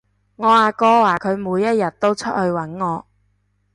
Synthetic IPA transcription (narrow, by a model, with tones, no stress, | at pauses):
ŋɔː˨˧aː˨˧kɔː˧˥waː˨˩kʰɵ˨˧ɥmuː˨˧jːɐ˥t̚jɐ˨t̚t̪o˥wt͡ʃʰɵ˥t̚hɵ˧ɥwɐ˨˥nŋɔː˨˧